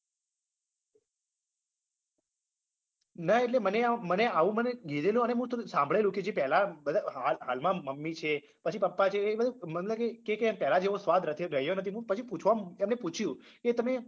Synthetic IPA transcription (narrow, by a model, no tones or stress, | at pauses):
nəeʈleməneaməneaʋũməneɡʱed̪eljũəneɦũt̪sãmbʱɭeljũked͡ʒepɛɦlabəd̪ʱaɦalɦalmãməmːit͡ʃʰe | pət͡ʃʰipəpːat͡ʃʰebəd̪ʱumət̪ləbkekekempɛɦlad͡ʒeʋosʋad̪ʱɾət̪ʰeɾəɦjonət̪ʰiɦũpət͡ʃʰiput͡ʃʰʋamemneput͡ʃʰjũket̪əme